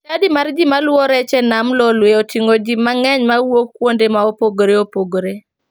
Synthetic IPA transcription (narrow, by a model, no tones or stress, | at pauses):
adimard͡ʒimalwɔɾɛt͡ʃɛnamlɔlweotiŋod͡ʒimaŋɛɲmawokːwondemaopoɡɾeopoɡɾe